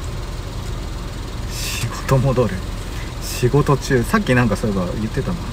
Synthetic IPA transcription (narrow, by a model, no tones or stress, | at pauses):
ɕiɡot̪o̞mo̞d̪o̞ɾe | ɕiɡo̞t̪o̞t͡ɕɨːsakʲːinãŋkasoɾeɡajɯ̟t̪ːe̞t̪an